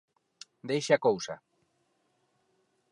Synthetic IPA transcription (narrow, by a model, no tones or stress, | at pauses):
d̪ejʃakowsa̰